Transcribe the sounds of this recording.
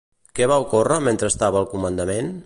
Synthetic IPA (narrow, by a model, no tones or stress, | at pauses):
kɛβaukorəment̪ɾəːst̪aβəːlˠkumənd̪əmen